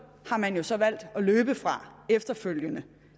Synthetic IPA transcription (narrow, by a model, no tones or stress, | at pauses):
hɑ̈mænjo̝sɒ̽ʋæl̰d̥ɒ̽løːb̥əfʁɑ̈efd̥ɐføl̰jənə